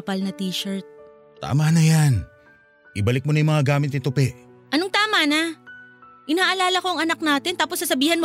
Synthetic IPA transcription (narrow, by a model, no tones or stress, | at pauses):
pɐlnɐt̪iːʃɐɹt̪̚ | t̪a̰ːmanɐjan | ʔɪbɐlɪk̚monɐjʊmɐŋaɡaːmɪt̪ɪt̪ʊpɛʔ | ʔɐnoŋt̪aːmana | ʔɪnaːʔɐlaːlɐko̞ɐŋɐnak̚naːt̪ɪnt̪aːposːɐsɐbiːhɐnm